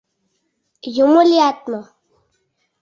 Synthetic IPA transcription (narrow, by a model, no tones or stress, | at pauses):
jomoliaːt̪ma